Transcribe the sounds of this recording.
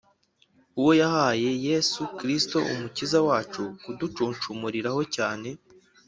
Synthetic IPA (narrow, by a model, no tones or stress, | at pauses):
uwo̞jahaːje̞je̞sukɾisto̞ʔṵmucizawaːt͡ʃukudut͡ʃuːnt͡ʃumuɾiɾaho̞caːne̞